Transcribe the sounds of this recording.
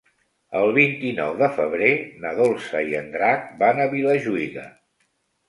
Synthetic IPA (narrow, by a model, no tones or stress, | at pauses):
əlˠβint̪inɔ̰wðəfəβ̞ɾenəðolˠsəiənd̪ɾak̚banəβiləʒuiɣə